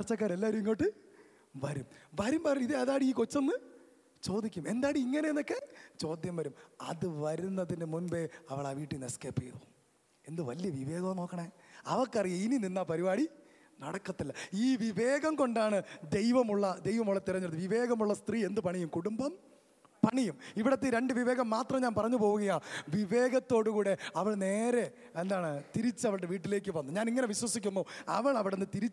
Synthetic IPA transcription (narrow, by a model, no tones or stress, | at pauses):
ɐrt͡ɕːɐk̬ːaːɾelːaːiɾiuŋːoːʈːɨ | ʋɐɾumʋɐɾumpɐɾɐiðeɐðaːɽiiːkot͡ɕːɐnːɨ | t͡ɕo̞ːd̪ikʲːume̞nd̪aːɽɨiiŋːɐneenːokːe̞t͡ɕo̞ːd̪jɐmʋɐɾumɐ̰ðɨʋɐɾunːɐðinɨmunbe̞ɐʋɐɭaːʋiːʈːinɐskeːpːijɽo̰ | e̞nd̪ɨʋɐlijɐʋiʋeːɣɐɐmno̞ːkːɐɳɐe | ɐ̰ʋɐkːɐrijɐinininːapɐɾibaːɽi | nɐɽɐkːɐt̪ːɐlːɐiːʋiʋe̞ːɣɐmko̞ɳɖaːɳɨd̪e̞jʋɐmuɭːɐd̪e̞jʋɐmuɭːɐt̪ːirɐɲːunːɨʋiʋe̞ːɣɐmuɭːɐst̪riːe̞nd̪ɨpɐɳijumkuɽumbɐm | pɐɳijumiʋiɽɐt̪ːeɾe̞ɳɖɨʋiʋe̞ːɣɐmːaːt̪rɐmɲaːnpɐrɐɲːupo̞ːʋuɣɐjaʋiʋe̞ːɣɐt̪ːo̞ːɽukuːɽe̞ɐʋɐɭne̞ːɾe̞ | end̪aːɳɨt̪iɾit͡ɕːɨɐʋɐɭɽe̞ʋiːʈ̬ːile̞ːkːɨʋɐnːuɲaːniŋːɐne̞ʋiɕwɐsikʲːumːbo̞ːɐ̰ʋɐɭɐʋiɽe̞nːɨt̪iɾit͡ɕː